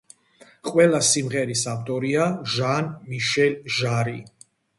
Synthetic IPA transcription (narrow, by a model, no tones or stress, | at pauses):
qʼwɛlasimʁɛɾisavt̪ʼɔɾiaʒanmiʃɛlʒaɾi